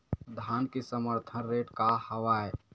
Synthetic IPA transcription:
d̪ʱaːnkisəməɾt̪ʰənɾeːʈkahəʋaːe

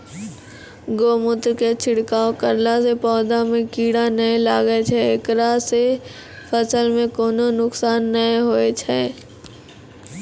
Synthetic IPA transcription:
ɡoːmʊt̪ɾket͡ʃʰɪɽkaːokəɾlasepɔːd̪amẽkiːɽanəelaːɡət͡ʃʰɛekɾase | fʰəsəlmẽkoːnonʊksaːnːəeɦoːet͡ʃʰɛː

